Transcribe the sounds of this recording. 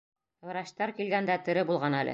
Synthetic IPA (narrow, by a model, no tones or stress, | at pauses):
ɾɑɕt̪ɑɾkilɡænd̪æt̪ɘ̆ɾɘbulˠʁɑnælʔɘ̰